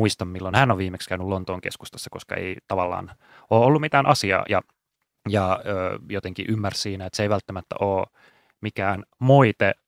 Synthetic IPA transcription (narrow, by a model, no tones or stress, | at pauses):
uist̪ɑmmilːonhænːoʋʋiːmekskæynylont̪oːŋkeskust̪ɑ̥sːɑkoskɑ̰ḛit̪ɑʋɑlːɑ̰ːn | oːolːummit̪æːnʔɑsiɑ̰ːjɑ | jɑøːjot̪eŋkiʔymːærssiːnæet̪seiʋælt̪ːæmæt̪ːæ̰ʔoː | mikæːnmoit̪e